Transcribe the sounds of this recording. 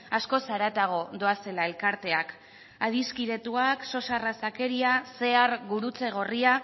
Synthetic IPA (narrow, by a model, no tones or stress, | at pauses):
asko̞saɾat̪aɣ̞o̞d̪o̞ase̞lae̞lkaɾt̪e̞ak | að̞iskiɾe̞t̪uakso̞sarasake̞ɾiase̞aɾɣuɾut͡se̞ɣ̞o̞ria